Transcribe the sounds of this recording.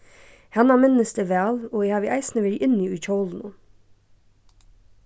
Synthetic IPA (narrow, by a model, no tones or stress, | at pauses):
hɑnɑːmɪnəst̪əʋæːloːehɑːʋiʔæɪsnəʋɪɾʔɪniːʉçɔln̩ʊ̰